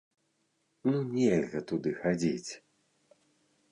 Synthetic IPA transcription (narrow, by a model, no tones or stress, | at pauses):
nunʲelʲɣɐt̪ud̪ɨxad͡zʲit͡sʲ